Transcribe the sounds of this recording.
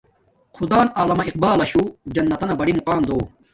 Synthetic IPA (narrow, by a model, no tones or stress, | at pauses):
xʰud̪aːnaːlɐmɐiq̚baːlɐɕud͡ʑɐnːɐt̪ɐnɐbɐɽimuqaːmd̪oː